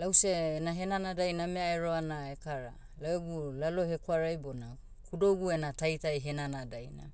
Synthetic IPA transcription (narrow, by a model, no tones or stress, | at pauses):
lawseːnaɦenanadajnameaeɾoanaekaɾa | laweɡulaloɦekwaɾajbona | kudoɡuenatajtajɦenanadajna̰